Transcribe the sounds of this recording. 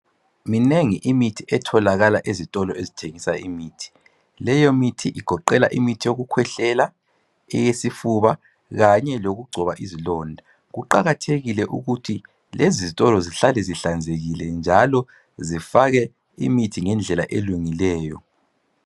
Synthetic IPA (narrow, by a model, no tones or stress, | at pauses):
mineŋiʔimitʰiʔɛtʰɔlaɣalaʔezitʼɔlɔezitʰeŋisaimiːtʰi̥ | lɛjomitʰiʔiɡ̥ʱɔǃɛla̰ʔimitʰijoɣukʰwɛɬɛla | ɛjesifuβa | ɣaɲɛloɣuɡ͡ǀʱɔβaʔizilɔndʱa | ɣuǃaɣatʰeɣilɛʔṵɣutʰi | lezizitʼɔlɔziɬalɛziɬand͡zʱeɣilɛnd͡ʒʱalɔ | zifaɣɛ | ḭmitʰiŋɛnd͡ɮʱɛla̰ʔeluŋilɛːjɔ̰